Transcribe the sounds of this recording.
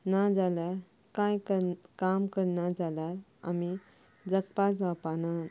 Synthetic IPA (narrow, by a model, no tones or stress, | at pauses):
nad͡zalaɾ | kãjkəkamkəɾnad͡zalaɾa̰mi | d͡zəkpasapana